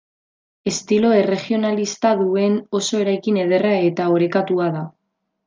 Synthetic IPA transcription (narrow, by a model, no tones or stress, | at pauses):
e̞st̪ilo̞e̞re̞χio̞nalist̪aðue̞no̞so̞e̞ɾajkine̞ð̞e̞rae̞t̪aoɾe̞kat̪uaða